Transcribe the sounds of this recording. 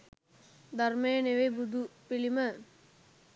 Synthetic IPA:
d̪ɐɾmeːneʋebud̪upilimə

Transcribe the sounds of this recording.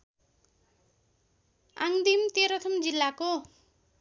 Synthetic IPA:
a̰ŋd̪imt̪eɾʌt̪ʰʌmd͡zilːako

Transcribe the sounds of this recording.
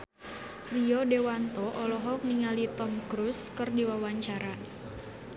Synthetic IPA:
riɔdewant̪ɔʔɔlɔɦɔk̚niŋalit̪ɔmkɾuskɨrdiwawaɲt͡ʃaɾa

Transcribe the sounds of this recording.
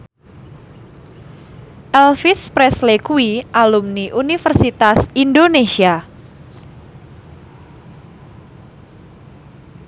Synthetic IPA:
ʔɛlfispɾɛslekuiʔalumniʔunifərsit̪asindonesia

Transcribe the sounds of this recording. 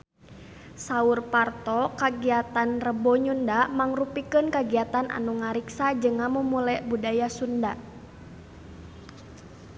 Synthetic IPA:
saurpart̪ɔkaɡiat̪anrəbɔɲundamaŋrupikənkaɡiat̪anʔa̰nuŋaɾiksad͡ʒɨŋamumulɛʔbudajasundaʔ

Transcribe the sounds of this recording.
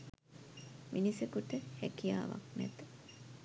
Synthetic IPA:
minisekuʈəhɛkija̰ːʋa̰knɛt̪ə̥

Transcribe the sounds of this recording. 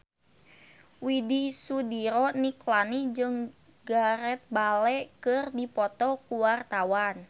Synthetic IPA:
widisudiɾɔniklanid͡ʒɨŋ | ɡaɾɛt̪̚balɛkɨrdipɔt̪ɔkuwart̪awan

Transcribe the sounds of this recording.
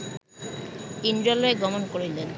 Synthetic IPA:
indɾaloeɡɔmonkoɾelen

